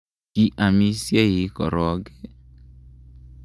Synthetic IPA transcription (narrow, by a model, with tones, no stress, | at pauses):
ki˦ʔa˨mĩ˧˦si˦e˦˨ji˨˦kɔ̰˨ɾɔ˨˦ɡe˦